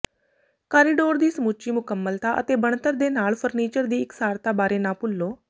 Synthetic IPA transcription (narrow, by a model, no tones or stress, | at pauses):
kaːɾiːɖoːɾd̪iːsəmuːt͡ʃiːmʊkəmːəlt̪aːʔə̰t̪eːbəɳt̪əɾd̪eːnaːlpʰəɾniːt͡ʃəɾd̪iːɪksaːɾt̪aːbaːɾeːnãːpʊlːoː